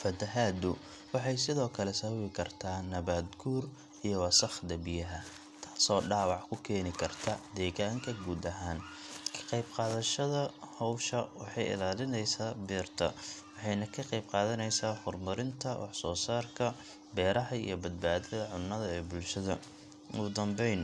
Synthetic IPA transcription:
fɐt̪ʰɐɦaːd̪ʊ | wɑħɑjsɪðɔːkʰɐlɛsɐwɪkʰɐrt̪ʰaːnɐβaːd̪ɡuːr | ijɔwɑsɐχd̪ɐbɪjɐɦɐ | t̪ʰḁːsɔːɖaːwɑʕkʰʊkʰɛːnɪkʰɐrt̪ʰɐd̪ɛːɣaːŋkʰɐɡuːd̪ɐɦaːnkʰɐ̥qɑjbqɑːðɐʃɐðɐhɔwʃɐwɑħɑjɪ̰laːlɪnɛjsaːbiːrt̪ʰɐ̰ | wɑħɑjnɐkʰɐqɑjbqɑːðɐnɛjsaːħʊrmʊɾɪnt̪ʰɐwʔɑħsɔːsaːrkʰɐ | bɛːɾɐɦɐḭjɞbɐd̪̚baːðɛðɐʕʊnːɐðɐɛːbʊlʃɐðɐ̰ | ʊd̪ɐmbɛjn

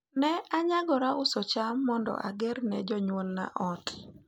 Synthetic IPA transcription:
nɛaɲaɡɔɾaʊsɔt͡ʃamːɔndɔ̰ʔaɡeɾnɛd͡ʒɔɲwɔlna̰ʔɔt

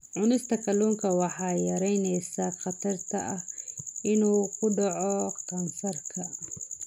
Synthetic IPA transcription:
ʕʊnɪst̪ʰɐkʰɐluːŋkʰɐwɑħɑːjɐɾɛjnɛjsaχɑt̪ʰɐrt̪ʰɐʔɐhɪnuːkʰʊɖɑʕɔkʰɐnsɐrkʰɐ

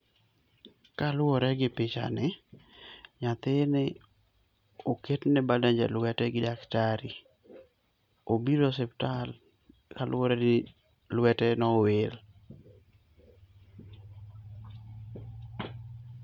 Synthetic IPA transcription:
kalwɔɾɛɡɪpɪt͡ʃa̰nɪ | ɲat̪ɪnɪ | oketnɪbadaɲd͡ʒɛ̰lwɛtɛɡɪdaktaɾi | obiɾosɛptal | kalʔwɔɾɛnɪ | lwɛtɛnɔwel

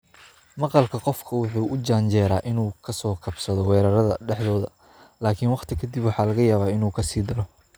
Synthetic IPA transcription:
mɑqɑlkʰɐqɔfkʰɐwʊħuːʔʊd͡ʒaːɲt͡ʃɛːɾaːʔɪnuːkʰɐsɔːkʰɐbsɐðɔwɛːɾɐɾɐðɐɖɛħðɔːðɐ | laːkʰiːnwɑqt̪ʰɪkʰɐd̪ibwɑħɑːlɐɣɐjaːβaːɪnuːkʰɐsiːd̪ɐlɔ

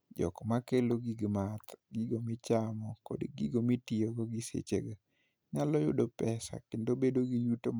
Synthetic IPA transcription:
d͡ʒɔ̰kɔmakeloɡiɡmat̪ɡiɡomɪt͡ʃamɔko̰dɡiɡomitioɡɔɡisḛt͡ʃḛɡa | ɲalɔjʊ̰dopɛsa̰kendobedoɡijuto

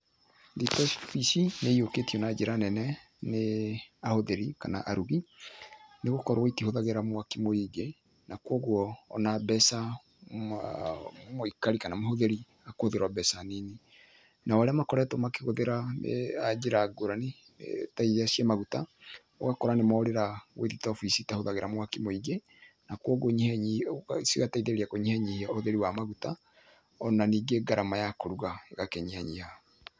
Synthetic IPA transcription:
ditɔsfisineioketiɔnad͡ʒeɾanɛnɛ | neahoðeɾikana̰ʔaɾuɣi | neɣokɔɾwaitihoðaɣeɾamwakemoiɡe | nakwɔɣwɔ̰ːnabɛsa | moikaɾikanamoɦoðeɾi | akohoðeɾwabɛsanine | nawaɾeamakɔɾɛtomakeɣoðeɾamḛad͡ʒeɾaɡoɾane | mḛtaiasjamaɣuta | ɔɣakɔɾanemaoɾeɾaweðitɔfisitahoðaɣeɾʔamwakimoiɡe | nakɔɡoɲhɛɲsiɣataiðeɾiakoɲihɛɲihiaohoðeɾiwamaɣuta | ɔnaniɡeɡaɾamajakoɾuɣaɡakeɲihɛɲiha

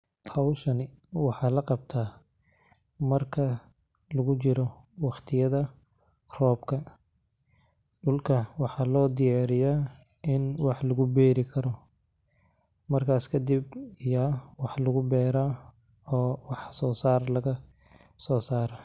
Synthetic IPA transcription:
hɐwʃɐnɪ | wɑħɑːlɐqɑb̚t̪ʰaː | mɐrkʰɐ | lɐɣʊt͡ʃɪɾɔ | wɑχt̪ʰɪjɐðɐ | rɔːbkʰɐ | ɖʊlkʰɐwɑħɑːlɔːd̪ɪjɑːɾɪja | ɪnwɑħlɐɣʊbɛːɾɪkʰɐɾɔ | mɐrkʰaːskʰɐd̪ɪbɪjawɑħlɐɣʊbɛːɾaː | ɔːwɑħsɔːsaːrlɐɣɐ | sɔːsaːɾa

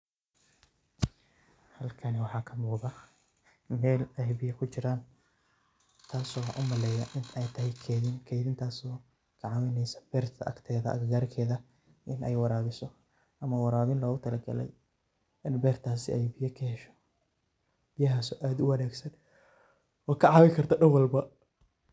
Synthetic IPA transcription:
hɐlkʰɐnɛwɑħɑːkʰɐmʊːðɐ | mɛːlɛjbɪjɐkʰʊt͡ʃɪɾaːn | t̪ʰaːsɔːʔʊ̰mɐlɛːjɐʔɪnɛjt̪ʰɐɦɛjkʰɛːðɪnkʰɛːðɪnt̪ʰaːsɔː | ɡʰɑʕɑwɛnɛsɐ̥b̥ɛːrt̪ʰɐʔɐ̰kt̪ʰɛːðɐʔɐ̰ɡaːrkʰɛːðɐ | ʔɪnʔɛjwɐɾaːβɪsɔ | ʔɐmɐwɑɾaːβɪnlɔːɣʊt̪ʰɐlɐɡɐ̰lɛ̰j | ɪnbɛːrt̪ʰaːsɪ̰ʔɛjbɪjɐkʰɐhɛʃɔ̥ | b̥ɪjɐɦaːsɔːʔaːd̪ʊwɐnɛːɡsɐn | ɔːkʰɐʕɑwɪkʰɐrt̪ʰɐɖɐwɑlbɐ

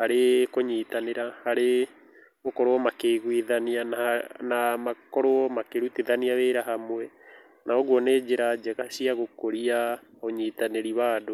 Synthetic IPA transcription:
haɾekoɲit̪aneɾahaɾe | okɔɾoɔmakeɣwiðaniananamakɔɾoɔmakeɾut̪eðaniaβeɾaɦamwɛ | nʔaoɣwɔned͡ʒeɾad͡ʒɛɣaʃiaɣokoɾia | oɲit̪aneɾiβaːdo

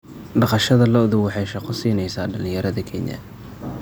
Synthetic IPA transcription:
ɖɑqɑʃɐðɐlɔʊðʊwɑħɑjʃɑqɔsiːnɛjsaːɖɐlɪ̃jɐɾɐðɐkʰɛnjɐ̰

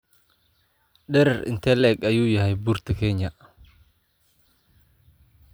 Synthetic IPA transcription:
ɗɛɾɛɾʔɪ̰nt̪ʰɛlɛːɡɐjuːjɐɦɛjbuːrt̪ʰɐkʰɛːɲːɐ

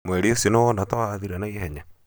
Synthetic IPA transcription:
mweɾiosonoɔnatoaðiɾanaihɛɲa

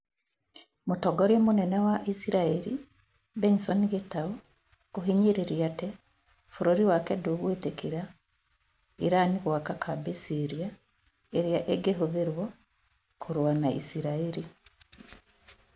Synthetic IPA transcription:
motɔɡɔɾomonɛnɛwaʔisiɾaeɾḭ | bensɔniɡetao | koɦiɲiɾeɾjatɛ | foɾoɾiwakɛdoːɣwetekiɾa | iɾaniɣwakakʰabesiɾia | eɾjaʔeɡeɦoðeɾwɔ | kʰoɾwanaʔḭsiɾaeɾi

